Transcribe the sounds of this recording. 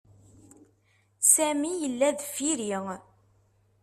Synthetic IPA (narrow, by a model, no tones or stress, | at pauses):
sæmijəlːæðfiɾiʁ